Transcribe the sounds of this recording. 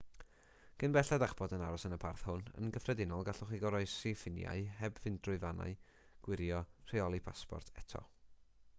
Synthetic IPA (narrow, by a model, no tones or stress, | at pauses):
ɡ̥ənbɛɬɛdaχb̥ɔdənaɾɔsənəpʰarθhʊnə̰nɡəfrɛdɪnɔlˠɡaɬʊχiɡɔɾɔɨsifɪnja̰ɨhɛbvɪndrʊɨvana̰ɨ | ɡ̥wɪɾjɔr̥eɔlˠipʰaspɔ̰rtʰɛtʰɔ̰